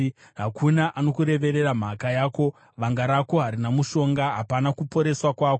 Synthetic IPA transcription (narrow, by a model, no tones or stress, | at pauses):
ɦakʰunaʔano̞kuɾe̞ʋe̞ɾe̞ram̤akajaːko̞ | ʋaŋɡaɾako̞ɦaɾinamuʃo̞ŋɡaɦapanakupo̞ɾe̞swakwaːko